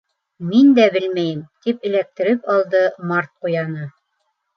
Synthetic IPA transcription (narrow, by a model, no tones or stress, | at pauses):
mind̪æbɘlmæjɘmt̪ipɘ̆læk̚t̪ɘ̆ɾɘpɑlˠd̪ɤmɑrt̪̚qujɑnɤ